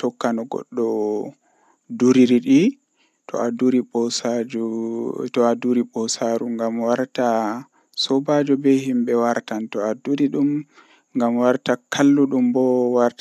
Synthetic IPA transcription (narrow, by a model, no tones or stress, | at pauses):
tɔkːanɔɡɔ̰ɗːɔ | duɾiɾiɗi | tʰɔ̰aduɾiɓɔsad͡ʒutɔaduɾiɓɔsaɾuŋɡamwaɾta | sɔbad͡ʒɔbɛhimbɛwaɾtantɔaduɾiɗum | ŋɡamwaɾtakʰalːuɗumbɔwaɾta